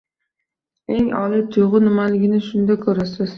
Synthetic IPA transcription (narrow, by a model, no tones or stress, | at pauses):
e̞ŋɒ̰lɪt̪ʰʊjʁɨnɪmalɪɡʲɪnɪʃʊnd̪akʰɵɾasɪz̥